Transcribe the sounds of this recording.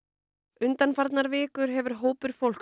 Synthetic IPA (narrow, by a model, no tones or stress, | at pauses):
ʏnt̪anfaɾt̪naɾvɪːkʏɾ̥ɦɛvʏɾ̥ɦoːwpʏɾ̥fowl̥k